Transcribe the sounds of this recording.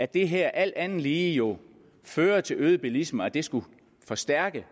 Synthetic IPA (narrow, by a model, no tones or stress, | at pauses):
æd̥e̝ɦæɐ̰ʔæl̰d̥ænn̩liːjo̝ | føːɐt͡sʰe̝løːð̞ˠb̥ilisməæd̥e̝sɡ̥u | fɒ̽sd̥æɐ̰ɡ̥ə